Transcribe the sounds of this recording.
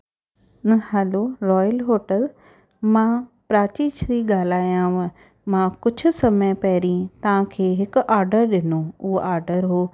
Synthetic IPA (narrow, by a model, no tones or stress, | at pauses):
nhɛloɾɔːjəlɦoːʈəl | mãːpɾaːt͡ɕiːʃɾiɠaːl̤aːijãʋə̃ | mãːkʊd͡ʑʱʊ̆sɐməjpɐɦɾĩt̪ɐʋ̤ãkʰeːɦɪkʊʔaːɾɖəɾɗɪnoʊɦoʔaːɾɖəɾɦoː